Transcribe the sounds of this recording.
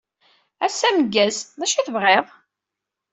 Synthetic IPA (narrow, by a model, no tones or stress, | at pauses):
æsːæməɡːæzðæʃiθəvʁeʁˤ